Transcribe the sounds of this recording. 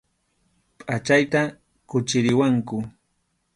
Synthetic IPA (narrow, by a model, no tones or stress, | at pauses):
pʼat͡ʃajt̪a | kʊt͡ʃɪɾɪwaŋkʊ